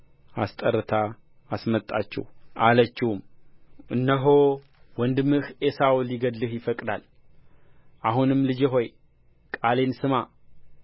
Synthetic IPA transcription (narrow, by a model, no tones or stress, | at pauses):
ast̪ʼəɾːɨt̪ʰa | asmət̪ʼa̰t͡ʃːɛ̰hʔalət͡ʃːɪhumʔɨnːəɦo | wɔnd̪ɨmːɨhesawulɪɡəd̪lɨhjɪfəkʼd̪al | ʔaɦunɨmlɨd͡ʒeɦo̞j | kʼale̞nsɨma